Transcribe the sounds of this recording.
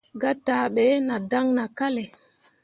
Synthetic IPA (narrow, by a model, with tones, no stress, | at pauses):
ɡa˦ta˨ɓɛ˨˦na˨da˦ŋna˨ka˦le˨